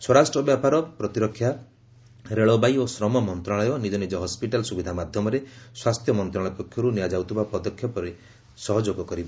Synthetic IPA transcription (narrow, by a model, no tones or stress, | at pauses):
swɔɾasʈɾɔbjapaɾɔpɾɔt̪iɾɔkʰːja | ɾeɭɔbajosɾɔmɔmɔnt̪ɾaɭɔjɔnid͡ʒɔnid͡ʒɔɦɔspiʈalsubid̪ʱamad̪ʱjɔmɔɾeswast̪ʰjɔmɔnt̪ɾaɭɔjpɔkʰjɔɾunijad͡ʒawt̪ʰibapɔd̪ɔkʰːjɔpɔɾe | sɔɦɔd͡ʒoɡɔkɔɾibɔ